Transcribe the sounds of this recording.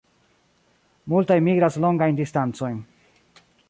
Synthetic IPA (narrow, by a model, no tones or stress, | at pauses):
multajmiɡɾasloŋɡajndistant͡so̞jn